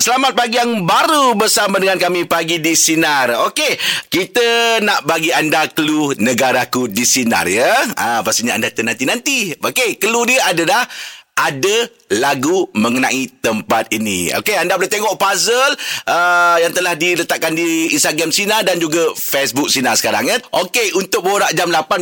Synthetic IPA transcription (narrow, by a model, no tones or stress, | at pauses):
səlamat̪̚paɡijaŋbaɾubərsamadəŋankamipaɡidisinarokekit̪ənaʔbaɡiandakəlunəɡaɾakudisina̰rjəãpast̪iɲaa̰ndat̪ənant̪inant̪iokekəludiəadalahʔadə | laɡuməŋənãʔit̪əmpat̪̚inḭo̰keandablat̪eŋɔʔpazəlʔəjaŋt̪əlahdilət̪aʔkːandiinst̪aɡamsinardand͡ʒuɡafesbʊk̚sinasə̥kaɾa̰ŋjəʔokeunt̪ʊk̚boɾaʔd͡ʒamlapan